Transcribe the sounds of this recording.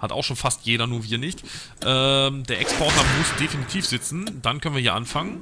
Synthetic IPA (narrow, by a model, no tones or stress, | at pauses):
hata̰ʊxʃoːnfastjeːɾɐnuːɐviːɐnɪçt | ʔɛːmdeːɐʔɛkspʰɔɐtamʊsd̥efinitʰiːfz̥ɪt͡sn̩dankʰœnviːɐiɐʔanfaŋən